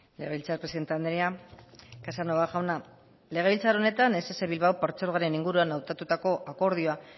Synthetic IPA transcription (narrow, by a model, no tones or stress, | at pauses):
le̞ɣe̞βilt͡saɾpɾesiðe̞nt̪eand̪enia | kasano̞βaʝawna | le̞ɣilt͡saɾo̞ne̞t̪ane̞se̞se̞βilβawpaɾt͡seɾoɣaɾe̞niŋɡuɾuanawt̪at̪ut̪ako̞ʔako̞ɾð̞ioa